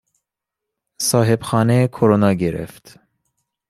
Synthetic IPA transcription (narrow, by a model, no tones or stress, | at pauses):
sɒːɦe̞b̥xɒːnekʰoɾonɒːɡeɾḛft̪